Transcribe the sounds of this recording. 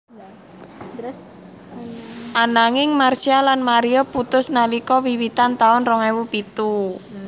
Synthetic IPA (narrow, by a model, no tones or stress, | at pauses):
ʔanaŋɪŋmarsialanmaɾiɔput̪ʊsnalikɔwiwit̪ant̪aʊnrɔŋɛwupit̪u